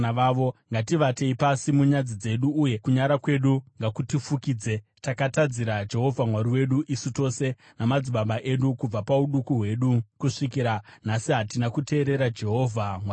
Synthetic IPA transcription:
aʋaʋo̞ŋɡatiʋate̞ipasimuɲad͡zid͡ze̞ɗuːje̞kuɲaɾakwe̞ɗuŋɡakutifukiːd͡ze̞takatad͡ziɾad͡ʒe̞ɦo̞vʱamwaɾiwe̞ɗuʔisito̞se̞ | namad͡ziɓaɓaʔe̞ɗukub͡vapauɗukuɦwe̞ɗukuʂikiɾanasiɦatinakute̞ːɾe̞ɾad͡ʒe̞ɦo̞vʱamwa

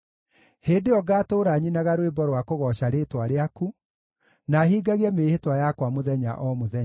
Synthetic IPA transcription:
heːdeɔɡaːtoːɾaːɲinaɣaɾwebɔɾwakoɣɔɕaɾeːtwaɾeaku | naɦiːɡaɣiɛmeːhetwajakwamoðɛɲa̰ʔɔmoðɛ

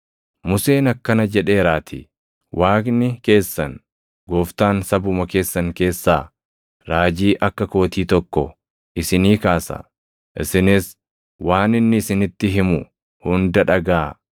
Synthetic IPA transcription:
mʊse̞ːnɐkːɐnɐd͡ʒɛᶑe̞ːɾaːt̪ʰɪ̰ | wʔaːknɪke̞ːsːɐn | ɡoːft̪aːnsɐbʊmɐke̞ːsːɐŋke̞ːsːaː | ɾaːd͡ʒiːʔɐkːɐko̞ːt̪iːt̪ɔkːɔ | ʔɪsɪniːkaːsɐ̰ | ʔɪ̰sɪnɪs | waːnɪnːɪːsɪnɪt̪ːɪɦɪmʊ | hʊnd̪ɐᶑɐɡaː

